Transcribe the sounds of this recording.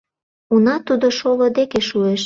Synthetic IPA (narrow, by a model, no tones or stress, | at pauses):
unɑt̪ud̪oʃolod̪ekeʃueʃ